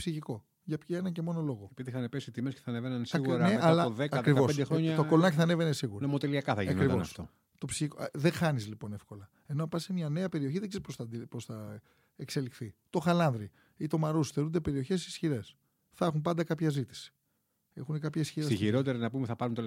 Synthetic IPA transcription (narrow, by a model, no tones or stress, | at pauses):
psiçiko̞ | ʝɐpçɐenɐce̞mo̞no̞lo̞ɣo̞eiðiθɐnepesit̪imesceθɐnevenɐnsiɣuɾɐneɐlɐoðekɐt̪kɾivo̞sed̪exɾo̞ɲɐt̪okolonɐc̬iθɐne̞ve̞nesiɣuɾɐnomot̪eliɐkɐθɐʝiɐkɾivosfto | t̪o̞psiçikoðe̞xɐnizlipo̞ne̞fko̞lɐ | e̞noɐpɐsemiɐne̞ɐpe̞ɾio̞çiðeɡzesposɐposθɐ | ekse̞likθit̪o̞xɐlɐnðɾi | it̪o̞mɐɾusθeund̪e̞pe̞ɾio̞çe̞sisçiɾe̞s | θɐxumpɐnd̪ɐkɐpçɐzit̪i̥si̥ | e̞̰xunekɐpçɐisçiɾsesçiɾo̞t̪eɾinɐpumeθɐpɐɾunt̪e